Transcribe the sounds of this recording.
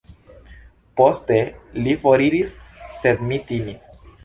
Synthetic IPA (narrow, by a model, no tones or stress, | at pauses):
po̞st̪elifoɾiɾisːe̞d̪mit̪imis